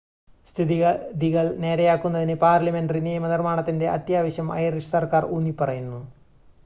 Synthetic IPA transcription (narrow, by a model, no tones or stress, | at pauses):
st̪ʰiðiɣɐðiɣɐɭne̞ːɾɐjaːkːunːɐðinɨpaːrlɐme̞nɖɐrinijɐmɐnirmaːɳɐt̪ːinde̞ʔɐ̰t̪jaːʋɐɕjɐmɐ̰jɐriʂɐ̥sɐrkaːrunːipːɐrɐjunːu